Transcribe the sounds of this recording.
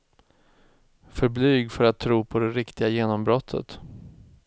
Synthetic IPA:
fœɾblyːɡfœɾat̪ʰːɾuːpʰɔd̪ɛɾɪkt̪ɪɡajeːnɔmbɾɔt̪ʰːə̰t̪

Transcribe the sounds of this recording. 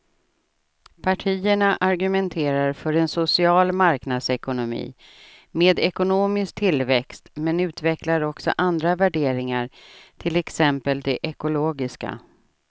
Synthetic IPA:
pʰaʈʰiːəɳaʔaɾɡɵmɛnt̪ʰeːɾaɾfœɾɛnsʊsɪɑːlmaɾknad̪sɛkʊnʊmḭː | meːd̪ɛkʊnoːmɪsk̚t̪ʰɪlvɛkst̪mɛnʉ̟ːt̪vɛklaɾɔksɔ̰ʔand̪ɾavæɖeːɾɪŋaɾt̪ʰɪlɛksɛmpəld̪ɛʔɛkʊloːɡɪska̰

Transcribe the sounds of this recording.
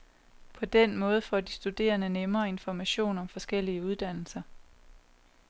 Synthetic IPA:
pʰɒ̽d̥enmɔ̽ːð̞̩ˠəfɒ̰ːd̥isd̥ud̥e̝̰ːɐnənemɐːe̝nfɒmæɕo̝̰ːnɒ̽mfɒ̽sɡ̥el̰iəuð̞ˠd̥æn̰l̩sɐ

